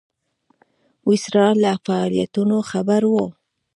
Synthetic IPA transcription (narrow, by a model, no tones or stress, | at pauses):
wɪsɾɑlafaɑlijat̪unoxabaɾwo